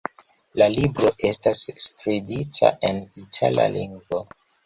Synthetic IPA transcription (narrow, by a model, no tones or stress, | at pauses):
lalibɾo̞ʔe̞stasːkɾibitʰa̰ʔe̞nitʰa̰la̰liŋɡvo